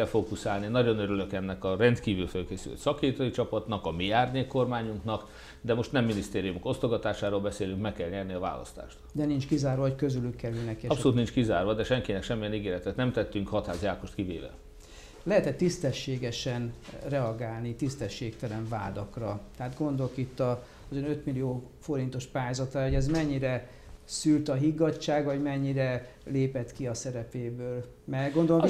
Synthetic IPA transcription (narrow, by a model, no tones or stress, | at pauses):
ɛlfoːkusaːlninɒɟo̞nøɾyløkɛnːɛkɒrɛnt̪kiːvylfɛlkeːsylø̰t̪sɒkeːt̪ojit͡ʃɒpɒt̪nɒkɒmiaːrɲeːkːo̞rmaːɲuŋknɒk | d̪ɛmo̞ʃt̪nɛmːinist̪eːɾijumoko̞st̪oɡɒt̪aːʃaːɾoːlbɛseːlyŋkmɛkːɛlɲɛrniɒva̰ːlɒ̰st̪a̰ːʃt̪d̪ɛnint͡ʃkizaːrvʋɒɦockøzylykːɛɾylnɛkeɒpsoluːt̪nint͡ʃkizaːrvʋɒd̪ɛʃɛŋkinɛkʃɛmːijɛniɡeːɾɛt̪ɛt̪nɛmt̪ɛt̪ːyŋkhɒt̪haːzjaːkoʃt̪kivḛːvɛ̰ | lɛɦɛt̪ɛt̪ːist̪ɛʃːeːɡɛʃɛnrɛɒɡaːlnit̪ist̪ɛʃːeːkt̪ɛlɛɱva̰ːd̪ɒkrɒt̪ɛɦaːd̪ɡo̞nd̪olkit̪ːɒ | zønøt̪milijoːfo̞ɾint̪o̞ʃpaːjaːzɒt̪raːoɟɛzmɛɲːiɾɛ | sylt̪ɒɦiɡːɒt͡ʃːaːɡvɒɟmɛɲːiɾɛ | leːpɛt̪kiɒsɛɾɛpeːbøːl | mɛɡo̞nd̪o̞lo